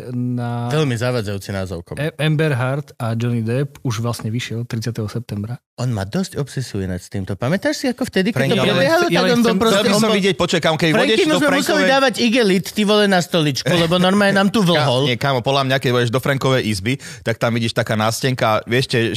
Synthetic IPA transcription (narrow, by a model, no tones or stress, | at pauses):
naʋɛlmizaʋad͡zajuːt͡sinaːzɔʊkɔ̰ɛmbɛɾɦaɾt̪ad͡ʒɔnid̪ɛpuʒʋlasɲɛʋiʃɪɛlt̪ɾit͡sjat̪ɛɦɔsɛp̚t̪ɛmbɾa | ʔɔnma̰ːd̪ɔscɔpsɛsujɛna̰cst̪iːmt̪ɔpamɛt̪aːʃsiakɔft̪ɛd̪ikfɾɛɛɔpɛbbɪɛɦalit̪aɔnbɔlpɾɔsɛliɔsɔbɔʋiɟɪɛc̚pɔt͡ʃuʋakamɔkɛbifɾɔɛkimɔzmɛmusɛlid̪aːʋaɟiɡɛlit̪ːiʋɔlɛnast̪ɔlit͡ʃkulɛbɔnɔɾmajɛnaːmt̪uːʋl̩ɦɔlɲɛkaːmɔpɔd̪lamɲakɛɟʋɔɟɛʒd̪ɔfɾaŋkɔʋɛjʔizbit̪ak̚t̪amʋiɟiːʃt̪akaːnascɛŋkaːʋɪɛʃcɛ